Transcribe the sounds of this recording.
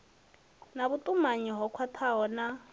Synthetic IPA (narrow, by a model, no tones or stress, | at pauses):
nabutʼumaɲiɦɔkʰwatʰaɦɔna